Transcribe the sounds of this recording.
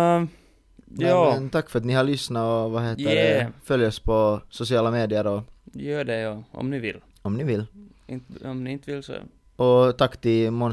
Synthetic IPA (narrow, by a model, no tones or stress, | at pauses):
ɑːmnt̪ʰakːfœɾɑt̪nɪhaɭʏsnaɔʋaɦeːt̪əɛfœljɔspʰɔsʊsɪɑːlameːd̪ɪəɾɔjøːɖɛjɑːɔ̰mnɪʋɪlː | ɔmnɪʋɪlː | ɪnt̪ɔmnɪɪnt̪əʋɪlsɔ̰ | ɔt̪ʰakːt̪ɪlmɔn